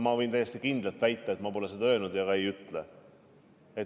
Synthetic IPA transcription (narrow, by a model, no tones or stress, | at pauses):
mɑvɤjnt̪æjːe̞st̪ikind̪lɑlt̪væjt̪ːˑɑet̪mɑpo̞lesed̪ɑøːnud̪̥jɑɡɑe̞jyt̪ˑle | et̪